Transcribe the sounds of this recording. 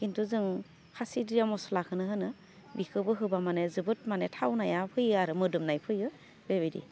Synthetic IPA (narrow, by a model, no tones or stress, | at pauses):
kintʰuzɯŋ | kʰasidijamɔsɔlakʰɯnɯɦɯnɯ | bikʰɯbɯɦɯbamanezɯbɯt̚manetʰawnajapʰɯjɯaɾɯmɯdɯmnajpʰɯjɯ | bebidḭ